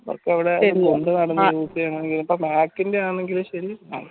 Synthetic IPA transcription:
ɐʋo̰rkːɐʋiɽeɐ̰ɾoɳɖɨnɐɽɐnːɐuːt̪ːijaːɳɐeŋɡilumpomaːkːindeaːɳɳːe̞ŋɡilumɕɐɾia

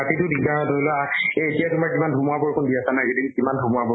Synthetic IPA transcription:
atitʊdik̚daɹatolɔaeetijatumaɹkimandʱumuabɔɹkʰʊndiasanajkedikimandʱumuabɔ

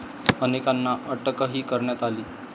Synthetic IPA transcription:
ənekanːaʔəʈəkəɦiːkəɾɳjat̪aliː

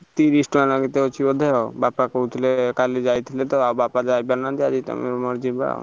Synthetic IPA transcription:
t̪iɾisʈɔanaɡit̪eot͡ʃʰibɔd̪ʱeɔbapakɔut̪ʰilekalid͡ʒajt̪ʰilet̪ɔawbapad͡ʒajbanad̪iad͡ʒit̪ɔ̰mḛɾmɔɾd͡ʒiba̰a̰

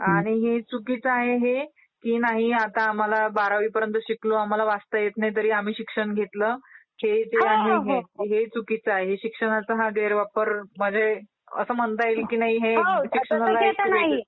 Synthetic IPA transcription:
aɽ̃iɦet͡sukit͡səaɦeɦe | kiːnaɦiat̪aːm̤alabaɾaʋiːpəɾjənt̪əɕikloam̤alaʋast̪əjet̪najt̪̬əɾiːam̤iːɕikʂəɳɡʱet̪lə | hed͡zeaɦiɦeɦet͡sukit͡səaɦeɦeɕikʂəɽ̃at͡səɦaɡeɾʋapəɾm̤əɳd͡ze | ə̰səːm̤ənt̪aelkiːnaɦiɦeɕikʂənalaeənaɦi

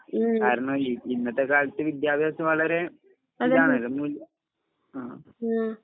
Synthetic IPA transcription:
kaːɾɐɳoːiinːɐt̪ːekaːɻt̪ːɨʋid̪jaːbʱjaːsɐmʋɐɭɐɾe̞ | mɐaːɳlɨmuːljɐ | a̰ː

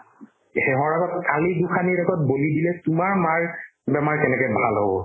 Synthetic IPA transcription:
hɛɦɔɹaɡɔt̚kaliduxʰaniɹaɡɔt̚bolidilɛtʊmaɹmaɹbɛmaɹkɛnɛkɛbʱalɦobɔ̰

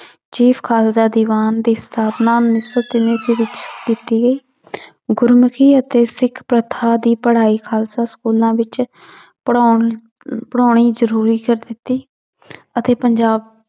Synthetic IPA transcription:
t͡ʃiːpʰkʰaːlzaːd̪iːʋaːnd̪iːst̪ʰaːpnaːnɪsət̪ɪneːkiːʋɪt͡ʃkiːt̪iːɡəiː | ɡʊɾmkʰiːət̪eːsɪkʰpɾət̪ʰaːd̪iːpəɽ̤aːiːkʰaːlsaːskuːlãːʋɪt͡ʃ | pː | pəɽaːɽ̃iːzəɾuːɾiːkəɾd̪ɪt̪ːiː | ət̪eːpəɲd͡ʒaːb̚

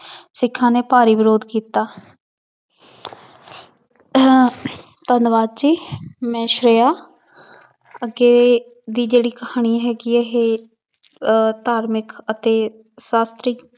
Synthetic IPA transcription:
sɪkʰːãːneːpaːɾiːʋɪɾoːd̪kiːt̪aː | t̪ənʋaːdd͡ʒiːmɛ̃ːʃɾeːaː | əɡeː | d̪iːd͡ʒeːɽiːkəhaːɽ̃iːɦɛːɡiːeɦeː | t̪aːɾmɪkət̪eː | saːst̪ɾɪk

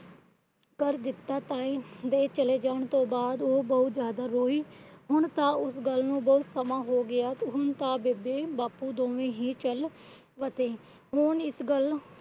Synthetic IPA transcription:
kəɾd̪ɪt̪ːaːt̪aːĩːd̪eːt͡ʃəleːd͡ʒaːɳt̪õːbaːd̪oːbəʊt̪zjaːd̪aːɾoːiːɦʊɳt̪ãːʊsɡəlnũːbəʊt̪səmãːɦoːɡɪjaːt̪ɦʊnt̪ãːbebeːbaːpuːd̪õːʋẽːɦiːt͡ʃəl | ʋəsẽː | ɦʊnɪsɡəl

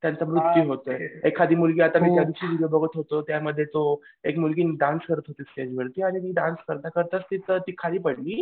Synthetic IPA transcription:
t̪jant͡samɾut̪ːjuɦot̪ojekʰːad̪iːmulɡiːat̪amiːt̪jad̪iɕiːʋiɽijobəɡʱət̪ɦot̪ot̪jaməd̪ʱːjet̪oekmulɡiːnɖanskəɾət̪ɦot̪iːsʈ̪ed͡ʑʋəɾt̪iːaɽ̃imiːɖanskəɾt̪akəɾt̪əst̪iːt̪ət̪iːkʰaliːpəɽliː

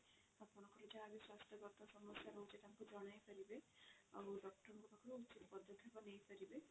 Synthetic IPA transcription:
akmɔnɔkʰɔɾɔd͡ʒaːbiswasʈjɔkɔɾt̪asɔmɔsjaɾɔɦut͡ʃʰet̪akud͡ʒɔɽ̃ajkɔɾibea̰buɖɔk̚ʈɔɾɔŋkɔt̪akʰɔɾuut͡ʃit̪pɔd̪ʱːɔt̪ʰebɔnejpʰɔɾibe

